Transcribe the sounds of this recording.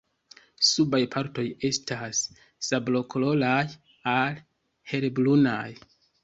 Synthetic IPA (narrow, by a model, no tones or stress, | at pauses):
subajpʰaɾto̞je̞stasː | ablo̞kolo̞laj | al | he̞ɾblunaj